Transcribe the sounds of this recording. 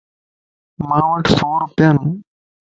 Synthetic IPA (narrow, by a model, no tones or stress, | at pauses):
mãːʋɐʈsoːɾʊpjaːnũː